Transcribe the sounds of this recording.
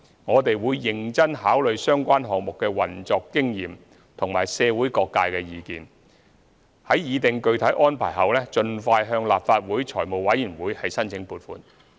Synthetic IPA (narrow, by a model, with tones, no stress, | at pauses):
ŋɔː˨˧t̪e˨jwuː˨˧jːɪ˨˩ŋt͡sɐ˥nɦaː˨˥wlɵ˨˧ɥsœː˥ŋkʷaː˥nɦɔː˨k̚mʊ˨kːɛː˧wɐ˨˩nt͡sɔː˧kːɪ˥ŋjiː˨m | t̪ʰʊ˨ŋmaː˨˩jsɛː˨˧wuː˨˥jkɔː˧kːaː˧jkɛː˧jiː˨˧kiː˨˧n | hɐ˨˥jjiː˨˧t̪ɪ˨ŋkɵ˧ɥt̪ʰɐ˨˥jʔɔː˥npʰaː˨˩jɦɐ˨˩wlɛː˥t͡ʃɵ˧nfaː˧jɦœː˧ŋlaː˨pfaː˧t̚wuː˨˥jt͡ʃʰɔː˨˩jmo˨wɐ˨˥jyː˨˩nwuː˨˥jhɐ˨jsɐ˥nt͡sʰɪ˨˧˥ŋpuː˨˧tfṵː˨˧n